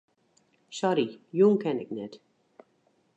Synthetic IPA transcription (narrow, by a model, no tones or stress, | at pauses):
ʃɔɾijuŋkɛnɪknɛt